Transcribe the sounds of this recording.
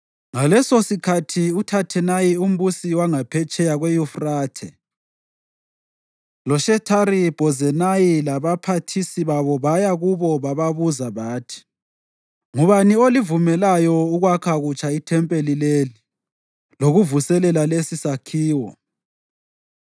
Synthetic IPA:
ŋalɛsosikʰatʰiutʰatʰɛnajium̩busiwaŋapʰɛt͡ʃʼɛjaɣwɛjufraːtʰɛ | lɔʃɛtʰaɾib̥ʱɔzɛnajilaβapʰatʰisiβaβɔβajaɣuβɔβaβaβuzaβaːtʰi̥ | ŋuβaniolivumɛlajɔuɣwakʰaɣut͡ʃʰʼaitʰɛmpʼelileli | loɣuvusɛlɛlalesisakʰiːwɔ̰

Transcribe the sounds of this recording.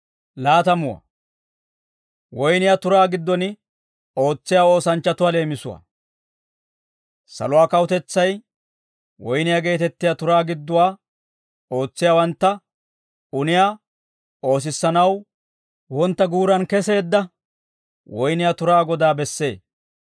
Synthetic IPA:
laːt̪ɐmʊwɐ̰ | wɔjnɪjat̪ʊɾaːɡɪd̪ːɔnɪ | o̞ːt͡sːɪjaːo̞ːsɐnt͡ʃːɐt̪ʊwale̞ːmɪsʊwa̰ | sɐ̰lʊwaːkɐwʊt̪ɛt͡sːɐj | wɔjnɪjaɡe̞ːt̪ɛt̪ːɪjaːt̪ʊɾaːɡɪd̪ːʊwaː | o̞ːt͡sːɪjaːwɐnt̪ːɐ | ʊnɪjaː | o̞ːs̬ɪsːɐnɐw | wɔnt̪ːɐɡuːɾɐnkɛse̞ːd̪ːɐ | wɔjnɪjat̪ʊɾaːɡɔd̪aːbɛsːe̞ː

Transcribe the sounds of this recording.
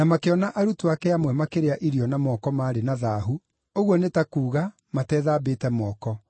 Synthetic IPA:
namakeɔnaʔaɾutuakɛamwɛmakeɾeaʔiɾiɔnamɔːkɔmaːɾenaðaɦu | oɣwɔnetakuːɣa | matɛːðaːbeːtɛmɔːkɔ

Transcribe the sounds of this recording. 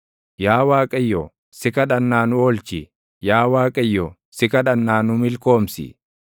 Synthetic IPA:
jaːwaːkʼɐjːɔ | sɪkɐᶑɐnːaːnʊɔːlt͡ʃɪ | jaːwaːkʼɐjːɔ | sɪkɐᶑɐnːaːnʊmɪlko̞ːmsɪ̰

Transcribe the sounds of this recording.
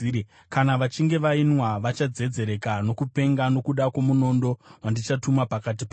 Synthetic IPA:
kanaʋat͡ʃiŋɡe̞ʋainwaʋat͡ʃad͡ze̞d͡ze̞ɾe̞kano̞kupe̞ŋɡano̞kuɗakwo̞muno̞ndo̞wandit͡ʃatumapakat̬ipa

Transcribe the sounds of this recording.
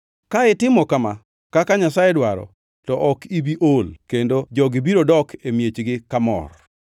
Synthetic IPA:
kaɪtɪmɔkama | kakaɲasajɛdwaɾɔ̰ | tɔʔɔkibiʔolkendod͡ʒɔɡɪbiɾodɔkemjet͡ʃɡɪkamɔ̰r

